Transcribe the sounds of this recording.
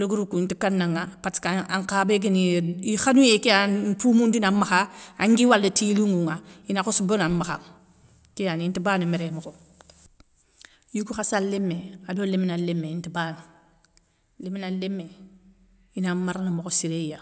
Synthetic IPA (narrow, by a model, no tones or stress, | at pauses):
luɡuɾukuntikanːaŋapatkaaŋkabeɡ̬iniixanujekijapuːmundinamaxaaŋɡiwalditiluŋuŋainakosubonamːaxa̰ | kijanintibanimeɾemoko | jukuxasalːemːeadoleminalːemːeintiban | liminalːemːe | inamaɾanamokosiɾeija